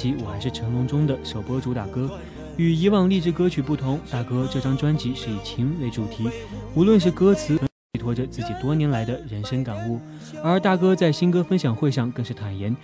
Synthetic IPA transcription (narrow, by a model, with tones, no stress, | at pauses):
t͡ɕi˧˥wɔ˨˩xa˧˥ɪʂɻ̩˥˩ʈ͡ʂʰɤ˧˥ŋkʊ˧˥ŋʈ͡ʂʊ˥ŋd̪ə˨ʂo˨˩ʊpwɔ˥ʈ͡ʂu˧˥t̪a˨˩kɤ˥ | y˨˩i˧˥wɑ˥˧ŋli˥˧ʈ͡ʂɻ̩˥˩kɤ˥t͡ɕʰy˨˩pu˥˩t̪ʰʊ˧˥ŋt̪a˥˩kɤ˥ʈ͡ʂɤ˥˩ʈ͡ʂɑ˥ŋʈ͡ʂwa˥nt͡ɕi˧˥ʂɻ̩˥˩i˨˩t͡ɕʰi˧˥ŋwe˧˥ɪʈ͡ʂu˨˩t̪ʰi˧˥u˧˥lwə˥˧nʂ̬ɻ̩˥˩kɤ˥t͡sʰɹ̩ʰ˧˥ɤ˧˥ | i˨˩t̪ʰwɔ˥ʈ͡ʂə˧t͡sɹ̩˥˩t͡ɕi˨˩t̪wɔ˥njɛ˧˥nla˧˥ɪd̪ə˧ɻə˧˥nʂə˥nka˨˩nu˥˩ | ə˞˧˥t̪a˥˩kɤ˥t͡sa˥˩ɪɕi˥nkɤ˥fə˥nɕjɑ˨˩ŋxwe˥˧ɪʂɑ˥˧ŋkɤ˥˧ŋʂɻ̩˥˩t̪ʰa˨˩njɛ˧˥n